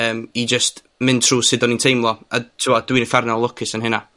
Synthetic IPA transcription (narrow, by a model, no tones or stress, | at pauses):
əːmid͡ʒəst | mɪntʰr̥uːsɪdɔnintʰejmlˠɔatʰɪwɔd̥winəfarnalˠʊkʰɪsənɦɪna